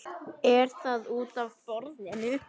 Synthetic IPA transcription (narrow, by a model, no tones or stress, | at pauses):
ɛɾ̥θaðuːt̪avfɔɾðɪnʏ